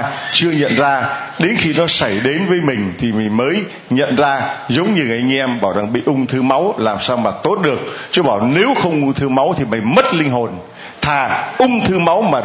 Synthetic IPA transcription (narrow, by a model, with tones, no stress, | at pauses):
t͡ɕɨ˧əɲə̰˧˨nzaː˧ɗe˨˦nxi˧nɔ˨˦sa˧˩jɗe˨˦nvəː˨˦jmï˨˩ŋ̟t̪ʰi˨˩mï˨˩ŋ̟məː˨˦j | ɲə̰˧˨nzaː˧zə˨˦wŋ͡mɲɨ˧˩ʔa˧jŋ̟ʔɛ˧mɓaː˧˩wza˨˩ŋɓḭ˧˨ʔʊ˧ŋ͡mt̪ʰɨ˧ma˨˦wlaː˨˩msaː˧wmaː˨˩t̪o˦˥t̚ɗɨ˨˩ək̚t͡ɕɔ˧ɓaː˧˩wne˨˦wxə˧wŋ͡mʔʊ˧ŋ͡mt̪ʰɨ˧ma˨˦wt̪ʰi˨˩ma˨˩jmə˦˥t̚lï˧ŋ̟ɦo˨˩n | t̪ʰaː˨˩ʔʊ˧ŋ͡mt̪ʰɨ˧ma˨˦wmaː˨˩